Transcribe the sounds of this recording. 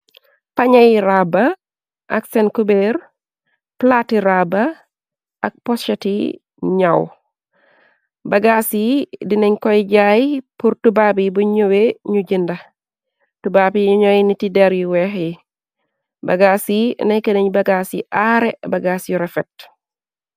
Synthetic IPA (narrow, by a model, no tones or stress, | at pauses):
paɲɐjɾabɐ | ʔaksɛnkubeɾ | platiɾaba | ak̚pɔst͡ʃetḭ | ɲaw | bɐɡasidineɲkɔjɟajpuɾtubaːbibuɲoweɲuɟindɐ | tubaːbiuɲɔjnitidɛɾjiwɛxji | bɐ̰ɡaːsinɐjkəneɲbɐɡasiʔaɾebɐɡaːsjuɾɛfɛk̚t